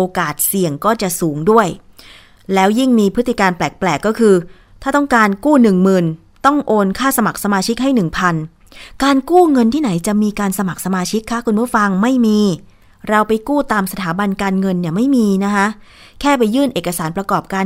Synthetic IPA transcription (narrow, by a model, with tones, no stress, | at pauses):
ʔoː˧kaː˨˩t̪̚si˨˩əŋkɔː˥˩t͡ɕa˨˩ʔsuː˩˦ŋdu˥˩əj | lɛː˦˥wji˥˩ŋmiː˧pʰɯ˦˥t̪ːi˨˩kaː˧nplɛː˨˩k̚plɛː˨˩kːɔː˥˩kʰɯː˧ | t̪ʰaː˥˩t̪ɔ˥˩ŋkaː˧nkuː˥˩nɯ˨˩ŋmɯː˨˩n | t̪ɔ˥˩ŋʔoː˧nkʰaː˥˩sa˧ma˨˩k̚sa˧maː˧t͡ɕʰi˦˥k̚ɦa˥˩jnɯ˨˩ŋpʰa˧n | kaː˧nkuː˥˩ŋɤ˧nt̪ʰiː˥˩na˩˦jt͡ɕa˨˩miː˧kaː˧nsa˧ma˨˩k̚sa˧maː˧t͡ɕʰi˦˥kʰːa˦˥kʰu˧nmaː˦˥˩fa˧ŋma˥˩jmiː˧ | ɾa˧wpa˧jkuː˥˩t̪aː˧msa˧t̪ʰaː˩˦ba˧nkaː˧nŋɤ˧nːi˥˩ɐma˥˩jmiː˧na˦˥kʰa˦˥ʔ | kʰɛː˥˩p̬a˧jːɯː˥˩nʔeː˨˩kːa˧saː˩˦npɾa˧kɔː˨˩p̚kaː˧